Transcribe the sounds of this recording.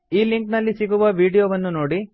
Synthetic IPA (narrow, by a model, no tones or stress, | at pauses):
iːliŋknɐlːisiɡuʋɐʋiːɽijoːʋɐnːunoːɽi